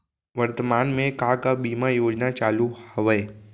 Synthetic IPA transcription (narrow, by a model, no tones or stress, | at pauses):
ʋəɾt̪əmaːnmẽkakabiːmajoːd͡ʒnat͡ʃaːluhɐʋəe